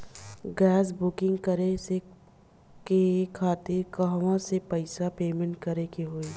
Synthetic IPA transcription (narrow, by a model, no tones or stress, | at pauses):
ɡɛːs̬bʊkɪ̃ŋɡkɐɾese | kekʰaːt̪ɪɾkɐɦʋãsepɐɪsapeːmẽɳʈ̚kɐɾekeɦoːiː